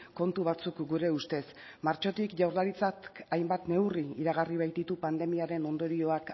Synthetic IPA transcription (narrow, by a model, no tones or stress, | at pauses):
ko̞nt̪uβ̞at͡sukɡuɾe̞ust̪e̞s | maɾt͡ʃo̞t̪ikʝawɾlaɾit͡sat̪ajmbat̪ne̞wriiɾaɣ̞ariβ̞ajt̪̚d̪it̪upand̪e̞miaɾe̞no̞nd̪o̞ɾio̞ak